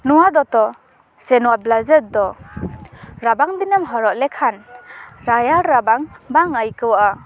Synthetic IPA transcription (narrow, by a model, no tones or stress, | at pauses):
nuwad̪ɔt̪ɔ | senuwablazəɾd̪ɔ | ɾabaŋdinɯmɦɔɾɔlekʰanɾajaɾɾabaŋbaŋajkɯwaʔa